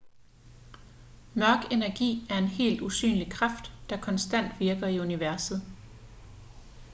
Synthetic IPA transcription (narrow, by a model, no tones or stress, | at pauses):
mɶɐɡ̥e̝næɐɡ̥ḭːæɐe̝nɦe̝̰ːld̥usy̰ːnlikʰʁɑfd̥ːɑ̈kʰɒ̽nsd̥æn̰d̥ʋiɐɡ̥ɐiuniʋæɐsð̩ˠ